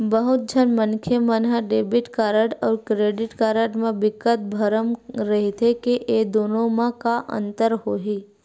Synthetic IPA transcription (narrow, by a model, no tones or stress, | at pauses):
bəɦʊt̪̚d͡ʒʱənmə̃nkʰjemənɦəɖeːbɪʈkaːɾəʈɔːɾkɾeːɖɪʈkaːɾəʈmẽbɪkət̪̚bʱəɾəmɾɐɦit̪ʰekeʔed̪oːnõmãkaʔə̰̃nt̪əɾɦoːɦiː